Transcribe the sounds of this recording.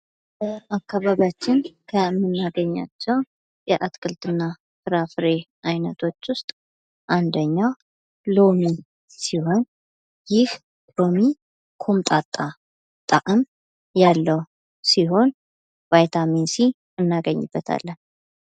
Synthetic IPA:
bəakʰːaβaβjat͡ʃːɪnkʰəmɨnːaɡəɲːa̰t͡ʃːɛw | jɛʔat̪kʰʼɨlt̪ʼɨnːa | fɨɾafɨɾe̞ʔajnət̪ʰo̞t͡ʃːwʊst̪ʼ | ʔand̪əɲːaw | lo̞mi | siho̞n | jɪh | o̞mi | kʰomt̪ʼat̪ʼːa | t̪ʼaʔʼəm | jalːəw | siɦo̞n | vajt̪ʰaminsi | ɨnːaɡəɲːɨbːət̪ʰa̰lːən

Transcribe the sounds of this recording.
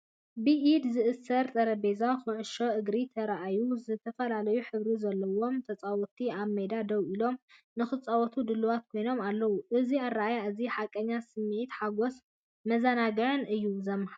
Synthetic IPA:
bɨʔid̪zɨʔɨsɐɾt̪ʼɐɾɐbe̞zaxɨʕʊʃo̞ʔɨɡɾit̪ʰɐɾaʔajuzɨt̪ʰɐfɐlalɐjuħɨβɾizɐlːɐwo̞mt̪ʰɐt͡sʼawɔt̪ʰiaβmed̪ad̪ɐwʔilo̞m | nɨxɨt͡sʼawɔt̪ʰud̪ɨlːɨwat̪̚kʰo̞jno̞malːɐwuʔɨziarːaʔajaɨziħakʼːɐɲːasɨmːɨʔit̪ħaɡo̞s | mɐzanaɡɐʕɨnʔɨjːuzɐmːaha

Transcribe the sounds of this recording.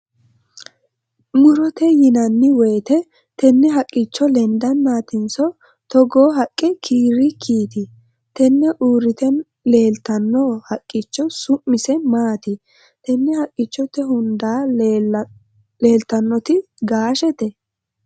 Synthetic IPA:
mʊɾɔt̪ɛjɪnɐnːɪwɛːt̪ɛ | t̪ɛnːɛɦɐkʼːɪt͡ʃːɔlɛnd̪ɐnmaːt̪ɪnsɔ | t̪ɔɡoːɦɐkʼːɪkʰiːɾɪkʰiːt̪ɪ | t̪ɛnːɛʔuːɾɪt̪ɛn | le̞ːlt̪ɐnːohɐkʼːɪt͡ʃːɔsʊmːɪsɛmaːt̪ɪ | t̪ɛnːɛhɐkʼːɪt͡ʃːɔt̪ːɛhʊnd̪aː | leːlt̪ɐnːɔt̪ɪ | ɡaːʃɛt̪ɛ

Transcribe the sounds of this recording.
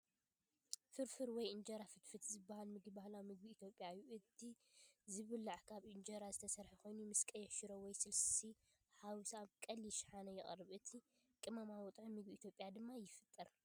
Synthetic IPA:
fɨɾfɨɾwɔjʔɨnd͡ʒɐɾafɨt̪fɨt̪zɨbːahalmɨɡibahlawmɨɡ̚biːt̪ʰjo̞pʼːjajːuʔɨt̪ʰi | zɨβɨlːaʕkʰaβʔɨnd͡ʒɐɾazɨt̪ʰɐsɐɾħiko̞jnumɨskʼɐjɛʃɪɾowɔjsɨlssi | ħawsaβkʼɐlːiʃħanɐjɪχʼɐ̰rɨβʔɨt̪ʰi | kʼɨmamawɔt̪ʼʕimɨɡbiːt̪ʰjo̞pʼjad̪ɨmːajɪfɨt̪ʼːɨɾ

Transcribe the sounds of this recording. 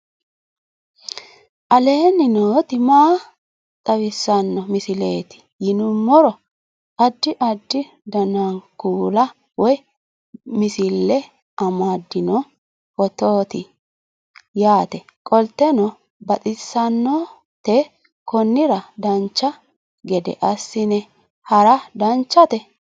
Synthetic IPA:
ʔɐle̞ːnɪnoːt̪ɪmaː | t̪ʼɐwɪsːɐnːɔmɪsɪleːt̪ɪ̥ | jɪnʊmːɔɾɔ | ʔɐd̪ːɪʔɐd̪ːɪ | d̪ɐnankuːlɐ | wɔj | mɪsɪlːɛ | ʔɐmad̪ːɪnɔ | wɔt̪oːt̪ɪ | jaːt̪ɛ | kʼɔlt̪ːɛnɔ | bɐt̪ʼɪsːɐnːɔ | t̪ɛ | kɔnːɪɾɐd̪ɐnt͡ʃːɐ | ɡɛd̪ɛ̰ʔɐsːɪnɛ | hɐɾɐd̪ɐnt͡ʃːɐt̪ɛ

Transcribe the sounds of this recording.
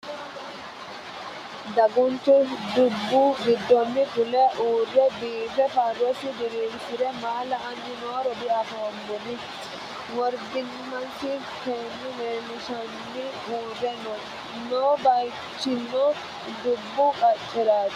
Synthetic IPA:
d̪ɐɡʊnt̪ːʊd̪ʊbːʊɡɪd̪ːɔnːɪɡʊlɛʔuːrːɛbiːbɛfaɾɔsɪd̪ɪɾiːsɪɾɛmaːlɐɐnːɪnoːɾɔd̪ɪɐboːmːʊnɪ | wɔɾd̪ɪn | mɐntɪ | keːnːʊmeːnɪʃɐnːɪ | uːdːɛnɔn | noːbɐj | t͡ʃːɪnːɔ | d̪ʊbːʊkʼɐt͡ʃʼːɛɾaːt

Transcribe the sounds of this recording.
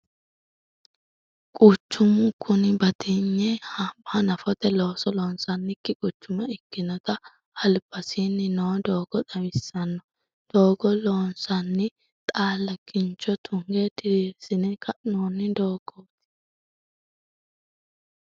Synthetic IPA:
kʼʊt͡ʃːʊmʊkʊnɪbɐt̪ɪɲːɛhabanɐfɔt̪ɛlo̞ːsɔloːnsɐnːɪkːɪkʼʊt͡ʃːʊmɐɪkːɪnɔt̪ɐ | hɐlbɐsinːɪnoːd̪o̞ːɡ̥ɔt̪ɐwɪsːɐnːɔ | d̪̥oːɡɔloːnsɐnːɪ | t̪ʼaːlːɐkɪnt͡ʃːɔt̪ʰʊŋɡed̪ɪɾesɪnɛkʰɐnoːnːɪd̪o̞ːɡ̥oːt̪ːɪ̥

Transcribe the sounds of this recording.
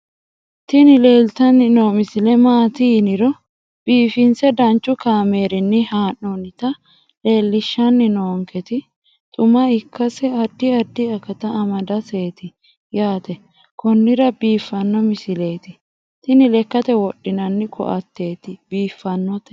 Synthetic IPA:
t̪ɪnɪle̞ːlt̪ɐnːɪnoːmɪsɪlɛmaːt̪iːnɪɾɔ | b̥iːfɪnsɛd̪ɐnt͡ʃʼːʊkaːme̞ːɾɪnːɪhaːnːɔnɪt̪ɐ | le̞ːlːɪʃːɐnːɪnoːŋkʰɛt̪ɪ | t̪ʼʊmɐɪkʰːɐsɛɐd̪ːɪɐd̪ːɪɐkɐt̪ɐːmɐd̪ɐse̞ːt̪ɪ | jaːt̪ɛ | kɔnːɪɾɐbiːfːɐnːɔmɪsɪle̞ːt̪ɪ | t̪ɪnɪlɛkːɐt̪ɛwɔɗːɪnɐnːɪkʰɔ̰ʔɐ̰t̪ːe̞ːt̪ɪbiːfːɐnːɔt̪ɛ̥

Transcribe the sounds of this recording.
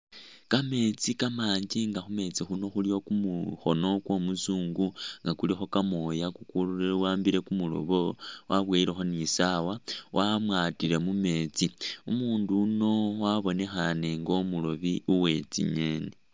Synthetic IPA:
kame̞t͡sikamaːɲd͡ʒiŋɡaxume̞t͡sixuno̞xulio̞kumuxo̞no̞kwo̞musuːŋɡuŋɡakulixo̞kamo̞jakukuluwaːmbiɾe̞kumulo̰βo̞wʔaβweiɾexo̞nisawawʔamwatiɾe̞mume̞t͡siumuːnduno̞waβo̞ne̞xane̞ŋɡo̞mulo̞βiuwe̞t͡sḭɲe̞ːne

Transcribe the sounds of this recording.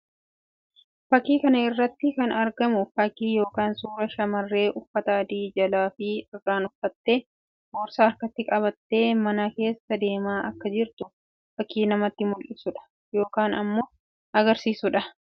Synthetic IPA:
fɐkːiːkɐnɐɪrːɐt̪ːɪkɐnɐɾɡɐmʊfɐkːiːjo̞ːkaːnsuːɾɐʃɐmɐrːe̞ːʔʊfːɐt̪aːd̪iːd͡ʒɐlaːfɪɪrːaːnʊfːɐt̪ːe̞ː | boːɾsaːɾkɐt̪ːɪkʼɐβɐt̪ːe̞ːmɐnake̞ːsːɐd̪e̞ːmaːʔɐkːɐd͡ʒɪɾt̪ʊ | fɐkːiːnɐmɐt̪ːɪmʊlʔɪsʊᶑɐ̥ | jo̞ːkaːnɐmːo̞ː | ʔɐɡɐɾsiːsʊᶑɐ

